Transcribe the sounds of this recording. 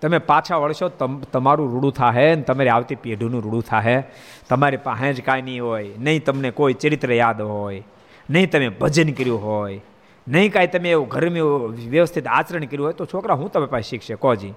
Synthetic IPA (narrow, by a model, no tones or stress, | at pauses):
t̪əmepat͡ʃʰaʋəɭʃot̪ət̪əmaɾũɾuɽũt̪ʰaɦent̪əmaɾiaʋt̪ipiɖʱunũɾuɽũt̪ʰaɦe | t̪əmaɾipaɦẽd͡ʒkajnəĩɦojnəĩt̪əmnekoit͡ʃəɾɪt̪ɾəjad̪ɦoj | nəɦĩt̪əmebʱəd͡ʒənkəɾjũɦoj | nəɦĩkaːit̪əmẽːuɡʱəɾmijũʋjəʋəst̪ʰit̪aːt͡ʃəɾəɳkəɾjũɦojt̪ot͡ʃʰokɾaɦũt̪əmẽpaʃɪkʰʃekɔd͡ʒi